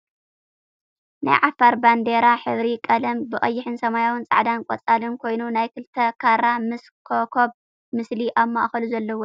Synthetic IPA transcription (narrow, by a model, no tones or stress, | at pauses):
na̰jʕafaɾband̪eɾaħɨβɾikʼɐlɐmbɨɣʼɐjːɪħɨnsɐmajawɨnt͡sʼa̰ʕd̪ankʼɔt͡sʼalɨnkʰo̞jnunajkʰɨlt̪ʰɐkʰaɾamɨskʰokʰob̚ | mɨsliʔaβma̰ʔxɐluzɐlːɐwo